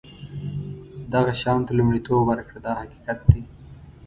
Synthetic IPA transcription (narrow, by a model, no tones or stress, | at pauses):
d̪aɣaʃɑːmt̪alumɽit̪oːbwaɾakɽad̪ɑːhaki̥kat̪̚d̪i